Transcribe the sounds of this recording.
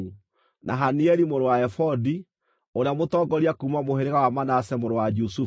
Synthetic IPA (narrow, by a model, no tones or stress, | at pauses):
nʔa̰ɦaniɛɾimoɾowaɛfɔdi | oɾeamotɔːɡɔɾiakuumamoheɾeɣawamanasɛmoɾowad͡ʒusu